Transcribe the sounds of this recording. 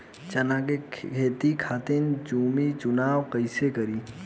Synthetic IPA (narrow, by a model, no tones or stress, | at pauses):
t͡ʃɐnakekʰeːt̪ikʰaːt̪ɪnd͡ʒuːmit͡ʃʊnaːwkəɪsekəɾiː